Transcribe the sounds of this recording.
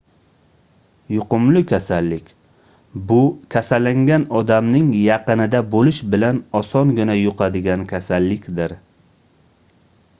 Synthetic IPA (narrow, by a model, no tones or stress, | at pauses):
jʊqʊmlɪkʲʰasalːɪkʲ | bʊkʲʰasalːaŋɡʲanɒd̪amnɪŋjɑqɨnɪd̪abolɪʃbɪlanɒsɒnɡʲɪnajʊqʰɑd̪ɪɡʲankʲʰasalːɪkʲd̪ɪɾ